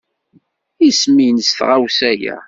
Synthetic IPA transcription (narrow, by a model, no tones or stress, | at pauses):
ismijnəsθʁawsæjæ̰